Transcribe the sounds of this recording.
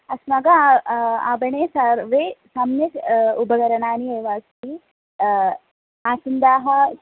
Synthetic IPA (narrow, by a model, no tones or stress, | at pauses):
ɐsmɐɡɐ | a̰ːbɐɳeːsaɾʋesamnɐt̪ubɐɡɐɾɐɳaːnieːʋaːst̪i | aːsɐnd̪aːɦɐ